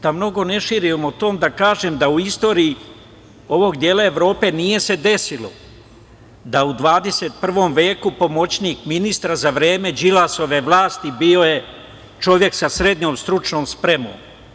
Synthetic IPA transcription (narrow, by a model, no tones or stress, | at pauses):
d̪̥amno̞ɡo̞ne̞ʃiːɾiomot̪o̞ːmd̪akaːʒemd̪auist̪o̞ːɾiː | o̞ʋo̞ɡd̪je̞ːlaeʋɾo̞ːpe̞ːnije̞se̞d̪e̞silo̞̰ | d̪aud̪ʋaːd̪e̞seːt̪̚pr̩ʋo̞ːmʋeːkupo̞mo̞t͡ɕniːkminist̪ɾazaʋɾe̞ːme̞d͡ʒilaso̞ʋe̞ʋlˠaːst̪ibio̞je̞ | t͡ʃo̞ʋje̞ksasɾe̞d̪ɲo̞ːmst̪ɾut͡ʃno̞ːmspɾe̞mo̰ːm